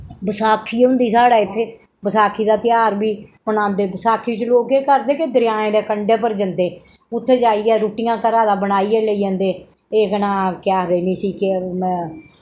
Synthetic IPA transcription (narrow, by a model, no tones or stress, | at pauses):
bəsaːkʰiːʊ̃nd̪iːsaːɽaːɪt̪ʰːeː | bəsaːkʰiːd̪aːt̪ɪjaːɾbiːbənãːnd̪eːbəsaːkʰiːt͡ʃəloːkeːkəɾd̪eːkɪd̪əɾɪjaːẽːd̪eːkəɳɖeːpəɾd͡ʒənd̪eː | ʊt̪ʰːeːd͡ʒaːiːɛːɾuːʈɪːãːkəɾaːd̪aːbənaːiːɛːləiːãːnd̪eː | eːɡənãːkɪjaːd̪eːnĩːsiːkẽ